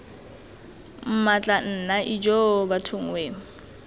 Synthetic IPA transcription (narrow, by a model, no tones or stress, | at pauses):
m̩mat͡ɬʼan̩ːnaʔid͡ʒobatʰʊŋ̩weːŋ̩